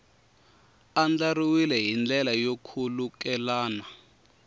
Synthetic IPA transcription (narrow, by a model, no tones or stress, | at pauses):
and͡ɮariwilɛɦind͡ɮɛlajokʰuluk̬ɛlaːna